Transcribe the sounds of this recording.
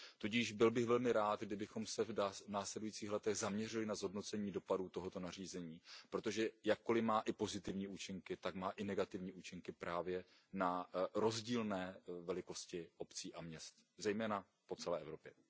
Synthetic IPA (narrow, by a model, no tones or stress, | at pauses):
t̪uɟiːʒbɪlbɪɣvɛlmɪɾaːt̪ɡdɪbɪxo̞msɛvanaːslɛdujiːt͡siːxlɛt̪ɛɣzamɲɛr̝ɪlɪnazɦodno̞t͡sɛɲiːdo̞paduːt̪o̞ɦo̞t̪o̞nar̝iːzɛɲiːpɾo̞t̪o̞ʒɛjakːo̞lɪmaːʔɪpo̞zɪt̪ɪvɲiːʔuːt͡ʃɪŋkɪt̪akmaːʔɪnɛɡat̪ɪvɲiːuːt͡ʃɪŋkɪpɾʔaːvjɛ | naɾo̞zɟiːlnɛːvɛlɪko̞scɪʔo̞pt͡siːʔamɲɛst̪zɛjmɛːna | po̞t͡sɛlɛːʔɛ̰vɾo̞pjɛ